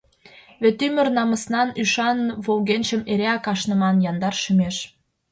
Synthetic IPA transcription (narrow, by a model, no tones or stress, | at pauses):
βet̪ymə̆rnɑmə̆snɑnyʃɑnβolɣenʲʃə̆meɾeɑkɑʃnə̆mɑnjɑnd̪ɑrʃymeʃ